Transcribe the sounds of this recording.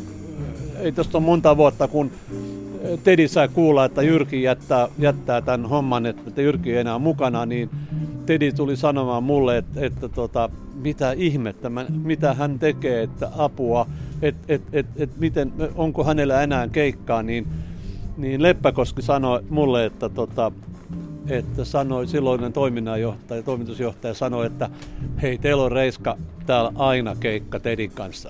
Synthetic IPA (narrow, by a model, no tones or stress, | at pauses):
eit̪ost̪ommont̪ɑʋuɑt̪ːɑkun | t̪edisɑikuːlːɑet̪ːæjyrkijæt̪ːæːjæt̪ːæːt̪ænhomːɑnet̪ːæt̪ːæjyrkienæːmukɑnɑniːnt̪edit̪ulisɑnomɑmulːeet̪et̪ːæt̪ot̪ɑ | mit̪æihmet̪ːæmæmit̪æhænt̪ekeːet̪ːæ̰ɑpuɑet̪et̪et̪et̪mit̪enoŋkohænelːæenæːŋkeikːɑːniːn | niːnlepːækoskisɑnomulːeet̪ːæt̪ot̪ɑ | et̪ːæsɑnoisilːoinkent̪oiminːɑjoht̪ɑjɑt̪oimit̪usjoht̪ɑjɑsɑnoet̪ːæeit̪eilorreiskɑt̪æːlɑinɑkeikːɑt̪ediŋkɑnsːɑ